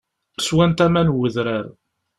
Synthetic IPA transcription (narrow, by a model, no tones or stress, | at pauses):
swænt̪æmænwəðɾaɾ